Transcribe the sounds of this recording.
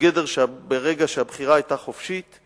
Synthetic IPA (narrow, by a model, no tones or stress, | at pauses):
ɡedeʁʃeabeʁeɡaʃeabχiʁaajt̪aχofʃit̪